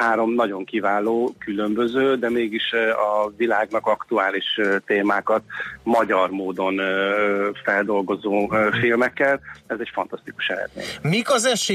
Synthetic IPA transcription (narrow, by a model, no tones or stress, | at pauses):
aːɾo̞mnɒɟo̞ŋkivaːloːkylø̞mbøzøːd̪ɛmeːɡiʃɒvilaːɡnɒkɒkt̪uaːliʃt̪eːmaːkɒt̪mɒɟɒrmoːd̪o̞n | fɛld̪o̞lɡo̞zoːfilmɛkːɛlɛzɛcfɒnt̪ɒst̪iku̥ʃɛlɛ̰d̪mḛːɲmikɒzɛʃe